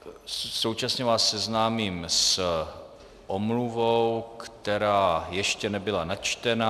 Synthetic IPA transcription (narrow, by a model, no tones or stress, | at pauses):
sowt͡ʃasɲɛvaːsːɛznaːmiːms | ʔomluvowkt̪ɛɾaːjɛʃcɛnɛbɪlanat͡ʃt̪ɛna